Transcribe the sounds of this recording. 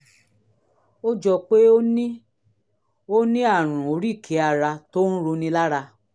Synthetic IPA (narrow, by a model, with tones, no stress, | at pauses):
o˦d͡ʒɔ˧k͡pe˦o˦nĩ˦ | o˦nĩ˦a˦˨ɾ̃ũ˨o˨ɾi˦˨kʰe˨˦a˧ɾa˧to˦ñ̩˦ɾo˧nĩ˧la˦ɾa˧